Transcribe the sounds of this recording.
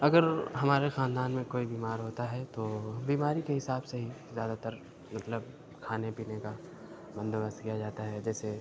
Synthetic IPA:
ɐɡəɾɦɐmaːɾexaːnd̪aːnmẽkoːibiːmaːɾɦoːt̪aɦɛt̪oːbiːmaːɾikeɦɪsaːbseɦizjaːd̪at̪əɾ | mɐt̪ləb | kʰaːnepiːneka | bɐ̃nd̪bəst̪kijad͡ʒaːt̪aɦɛd͡ʒɛːse

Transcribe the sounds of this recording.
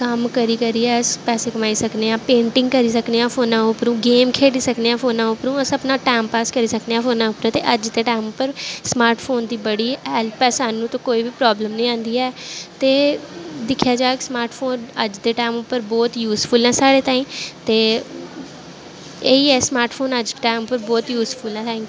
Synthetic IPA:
kəmkəɾiːkəɾiːɛːspɛːseːkəmaːiːsəkneːãːpẽːɳʈɪ̃ŋɡkəɾiːsəkneːãːpʰoːnãːʊpɾũːɡeːmkʰeːɽiːsəkneːãːfʰoːnãːʊpɾũːəsəpnãːʈɛːmpaːskəɾiːsəkneːãːfʰoːnãːʊpːəɾɛ̃t̪eːʔəd͡ʒd̪eːʈaːɪmʊpːəɾsmaːɾʈpʰoːnd̪iːbəɽiːɦɛːlpɛːsaːnũːt̪õːkoːiːbiːpɾɔːbləmnəĩːãːnd̪iːɛːt̪eːd̪ɪkʰjaːd͡ʒaːksmaːɾʈfʰoːnəd͡ʒd̪eːʈaːmʊpːəɾbɔːt̪juːspʰəlɛ̃ːsaːɽeːt̪aːĩːt̪eː | eːiːɛːsmaːɾʈpʰoːnəd͡ʒʈaːɪmʊpːəɾbɔːt̪juːsfʰʊlãt̪ʰɛ̃ːŋkː

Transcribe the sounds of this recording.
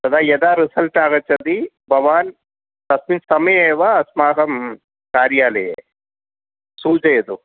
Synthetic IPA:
t̪ɐd̪aːjɐd̪aːɾisɐlʈaːɡɐt͡ʃːɐd̪i | bʱɐʋaːn | t̪ɐsminsɐmɐjeːʋaɐsmaːɦɐm | kaːɾjaːlɐjḛ | suːd͡ʒɐjɐd̪u

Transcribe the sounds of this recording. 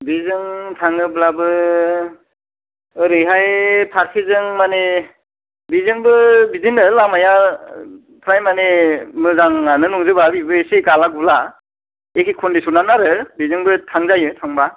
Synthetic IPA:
bizɯŋtʰaŋɯblabɯ | ɯɾɯjɦajpʰaɾkʰizɯŋmane | bizɯŋbɯbizɯnɯlamaja | pʰɾajmanemɯzaŋanɯnuŋzɯbabibɯesiɡalaɡula | ekʰikʰɔndisunanaɾɯbizɯŋbɯtʰaŋzajɯtʰaŋba

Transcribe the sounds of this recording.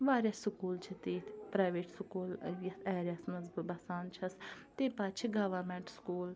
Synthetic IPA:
ʋaːɾjɐsʊkuːlt͡ʃʰit̪eːt̪ʰpɾaːʋeːʈsʊkuːljɐɛːɾasməzbbɐsaːnt͡ʃʰɐst̪eːpaːt͡ʃʰiɡɐʋəɾmɛ̃ɳʈskuːl

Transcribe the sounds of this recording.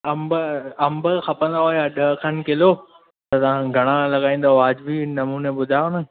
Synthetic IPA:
ɐmbɐmbəxɐpə̃nd̪aɦoːjaɗɐɦkʰɐnkɪlo | t̪ɐt̪ɐʋ̤ãɡʱɐɽ̃alɐɠaːĩːnd̪aɦoaːd͡ʑbʱinɐmuːneɓʊd̪ʱajonə

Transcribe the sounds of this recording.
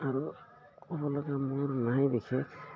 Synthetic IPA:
aɾu | ɔbɔlɔɡamʊɹnajd̪ikʰɛ

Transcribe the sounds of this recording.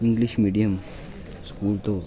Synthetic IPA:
ɪ̃ŋɡlɪʃmiːɖijəm | skuːlt̪o

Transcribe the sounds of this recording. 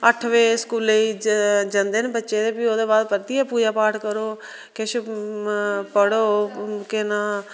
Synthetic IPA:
əʈʰʋeːskuːleid͡ʒənd̪enbətːʃeːd̪eːpioːd̪eːbaːd̪pət̪iːaːpuːd͡ʒaːpaːɾʈkəɾoː | kɪʃ | pəɽoːkɪnaː

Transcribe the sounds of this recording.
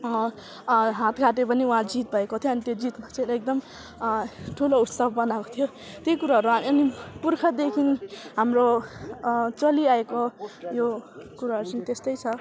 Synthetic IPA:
ɦãt̪ɡʰʱaʈepʌniuɦãd͡zit̪̚bʱʌekot̪ʰjoʌnit̪jod͡zit̪mat͡sʰeɾek̚d̪ʌm | ʈʰulout̪sʌbʱbʌnako̥t̪ʰijo | t̪jojkuɾaɦʌɾuaʌnipurkʰʌd̪ekʰinɦamro | t͡sʌliaekojokuɾaɦʌɾut͡sʌnit̪est̪ʌjt͡sʰʌ

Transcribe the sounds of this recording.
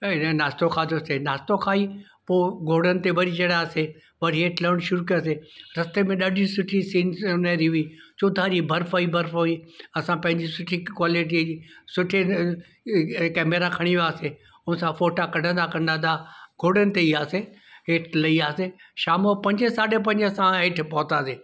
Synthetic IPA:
ɪnaːst̪okʰaːd͡ʑ̪osenaːst̪okʰaːi | poːɡʱoːɽənɪ̆t̪eʋɐɾid͡ʑɐɽaːse | ʋɐɾiɦeːʈʰləɽ̃ʃʊɾukɐjaseɾɐst̪emẽɗɐɖʱisʊʈʰisiːnnaɾiɦiːt͡ɕoːd̪ʱaːɾibʱɐɾfoibʱɐɾfoĩɐsãpɐ̃ɦɪɲd͡ʑisʊʈʰikwaːliʈ̬id͡ʑisʊʈʰe | kɛːmeɾakʰɐɽ̃iʋiaːse | ʊnsãfoːʈakɐɖʱə̃nd̪akɐ̃nd̪ãd̪aɡʱoːɽənɪ̆t̪eiːaːseɦeːʈʰlɐiaːseʃaːmopɐ̃ɲd͡ʑesaːɖep̬ɐ̃ɲd͡ʑsãɦeʈʰpɔːt̪aːseː

